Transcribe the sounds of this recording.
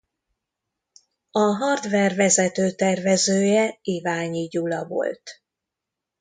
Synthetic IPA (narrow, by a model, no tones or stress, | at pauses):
ɒɦɒrd̪vɛrvɛzɛt̪øːt̪ɛrvɛzøːjɛeːvaːɲiɟulɒvo̞̰lt̪